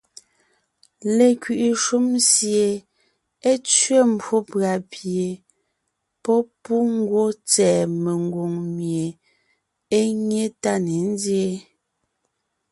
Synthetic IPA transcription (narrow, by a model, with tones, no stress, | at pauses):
le˨kɥi˨ʔi˨ʃu˦msje˨ | e˦t͡sɥe˦m̩˦bwo˦pɰa˨pʰje˨ | pɔ˦pu˦ŋ̩˦ɡwo˦t͡sɛː˨me˨ŋ˨ɡo˨ŋmje˨ | e˦ɲe˦ta˦ne˨n̩˦dje˦